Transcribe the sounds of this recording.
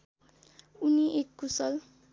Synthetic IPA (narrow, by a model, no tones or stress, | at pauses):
uniʔekːusʌl